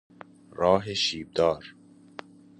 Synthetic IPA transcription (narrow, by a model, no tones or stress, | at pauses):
ɾɒːɦeʃiːb̚d̪ɒːɾ